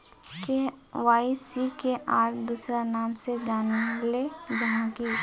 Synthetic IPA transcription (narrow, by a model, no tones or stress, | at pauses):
ke | ʋaːisikeʔaːɾd̪uːsɾanaːmsed͡ʒaːniled͡ʒɐɦãːki